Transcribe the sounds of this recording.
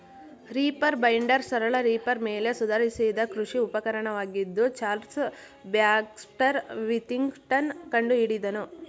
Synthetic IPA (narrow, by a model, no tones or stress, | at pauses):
ɾiːpɐɾbɐjɳɖɐɾsɐɾɐɭɐɾiːpɐɾmeːle̞sud̪ʱɐɾisid̪ɐkɾuʂiupɐkɐɾɐɳɐʋaːɡid̪ːut͡ʃaːɾs | bjaːksʈɐɾʋit̪iŋɡʈɐnkɐɳɖuiɽid̪ɐnu